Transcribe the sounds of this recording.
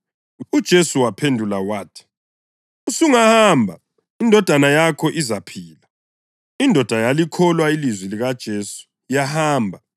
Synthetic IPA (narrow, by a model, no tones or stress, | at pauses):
ud̥ʒ̥ʱesuwapʰendʱulawaːtʰi̥ | usuŋahaːmbʱa̰ | indʱɔd̥ʱanajakʰɔʔizapʰiːla | indʱɔd̥ʱajalikʰɔlwailizwiliɣad̥ʒ̥ʱeːsu̥ | jahaːmbʱa